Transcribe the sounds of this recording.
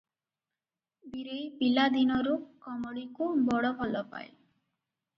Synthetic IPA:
biɾejpilad̪inɔɾukɔmɔɽikubɔɽɔbʱɔlɔpa̰j

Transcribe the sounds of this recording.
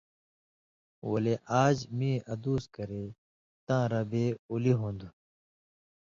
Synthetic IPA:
wɐleʔaːd͡ʑmĩːɐd̪uːskɐɾeː | t̪ãːɾabeːuliɦõːnd̪u

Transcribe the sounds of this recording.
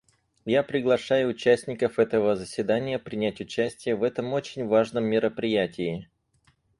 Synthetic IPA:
japɾʲɪɡlˠɐʂajʊːt͡ɕæsʲnʲɪkəfɛt̪əvəzəsʲvʲɪd̪anʲɪjəpɾʲɪnʲætʲʊt͡ɕæsʲtʲɪjəvɛt̪əmo̞t͡ɕɪnʲvaʐnəmːʲɪɾəpɾʲɪjætʲɪɪ

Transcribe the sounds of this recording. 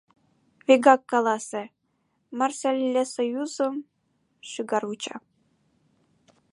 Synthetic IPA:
vʲeɡɑkːɑlˠɑsʲɘ̆ | mɑrsʲɑlʲlʲːesojuzɤ̆m | ɕɯɡɑrut͡ɕɑ̰

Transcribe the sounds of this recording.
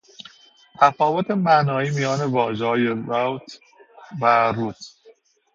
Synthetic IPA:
t̪ʰæfɒːvot̪ʰe̞mæʔnɒːiːmijɒːne̞vɒːʒehɒːjeɾowt̪ʰ | væɾuːt̪

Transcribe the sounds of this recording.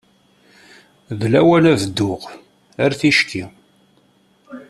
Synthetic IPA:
ðlæwælævd̪ːʊq | æɾθiʃkʰi

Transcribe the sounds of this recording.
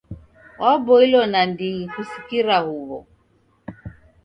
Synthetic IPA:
wabɔilɔnandikusi̥kiɾahuβɔ̰

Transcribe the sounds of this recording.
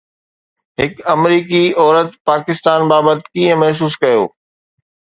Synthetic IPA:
ɦɪkɐmɾiːkiɔːɾət̪paːkɪst̪aːnbaːbət̪kiːə̃mɐɦs̬uːskɐjo̰ː

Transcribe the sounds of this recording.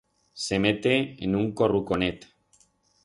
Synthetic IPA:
semet̪eenuŋkorukonet̪

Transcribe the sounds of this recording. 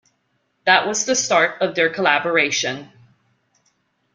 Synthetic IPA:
ðəʔwʔʌzðɨstɑɹɾʌvðə˞kʰəlæbə˞eɪʃɨ̃n

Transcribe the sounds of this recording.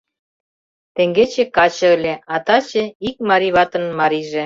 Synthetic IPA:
t̪eŋɡet͡ɕĕkɑt͡ɕɤ̆lʲeɑt̪ɑt͡ɕĕik̚mɑɾiβɑt̪ə̆nmɑɾiʒĕ

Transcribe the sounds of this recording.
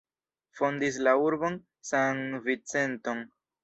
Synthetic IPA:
fo̞ndis̬lauɾbo̞n | saŋvit͡se̞nto̞ŋ

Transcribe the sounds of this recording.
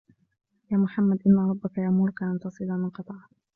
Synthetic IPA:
jaːmʊħamːad̪ʔɪnːaɾˤɑbːakajaʔmʊɾˤkaʔant̪ɑsˤɨlamɪnqɑt̪ˤɑʕ

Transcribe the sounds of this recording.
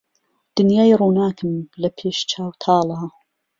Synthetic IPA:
d̪̥ɨnjaːjruːnaːkʰɨmlɐpʰeːʃt͡ʃʰaːwt̪ʰɑːlˠɑː

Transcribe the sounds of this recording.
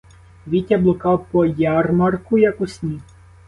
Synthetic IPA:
ʋʲitʲɐblˠɔkɑpɔjarmarkʊjɐkʊsʲnʲi

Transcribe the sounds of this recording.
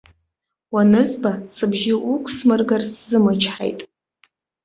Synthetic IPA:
wanɨzbasɨbʒɪʔukʷʰʼsmɨrɡarszɨmɨt͡ʃʰħa̰jtʼ

